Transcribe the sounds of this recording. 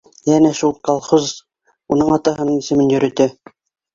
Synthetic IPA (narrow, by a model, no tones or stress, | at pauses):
jænæʃulˠkɑlˠχuz | unɤɴɑt̪ɑɦɤ̆nɤɴisɘ̆mɘnjɵ̆ɾɘ̆t̪ɘ